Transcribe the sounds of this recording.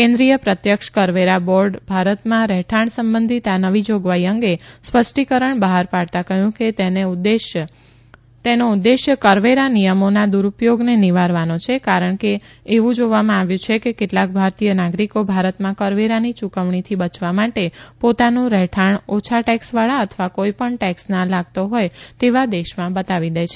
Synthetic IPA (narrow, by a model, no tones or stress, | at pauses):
kẽnd̪ɾijəpɾət̪jəkʃkəɾʋeɾabɔɾɖbʱaɾət̪mãɾɛɦʈʰaɳsəmbənd̪ʱit̪anəʋid͡ʒoɡʋaiəŋɡespəsʈikəɾəɳbəɦaɾpaɽt̪akəɦjũket̪enee | t̪enoud̪ːeʃjəkəɾʋeɾanijəmonad̪uɾupjoɡneniʋaɾʋanot͡ʃʰekaɾəɳ̃keː | ʋũd͡ʒoʋamãaʋjũt͡ʃʰekekeʈlak̚bʱaɾt̪ijənaɡɾikobʱaɾət̪mãkəɾʋeɾanit͡ʃukəʋɳ̃it̪ʰibət͡ʃʰʋamaʈepot̪anũɾɛʈʰaɳot͡ʃʰaʈɛksʋaɭaət̪ʰəʋakoipəɳʈɛksnalaɡ̚t̪oɦojt̪eʋad̪eʃmãbət̪aʋid̪əjt͡ʃʰe